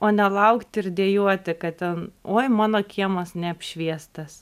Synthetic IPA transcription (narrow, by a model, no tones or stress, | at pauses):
oːnʲɛlˠɐʊkt̪ʲɪrd̪ʲeɛjuɔt̪ʲɪkɐtt̪ʲɛnoːɪmɑːnoːkʲʰiɛmosnʲɛɐpʲʃʲʋʲiɛst̪ɐs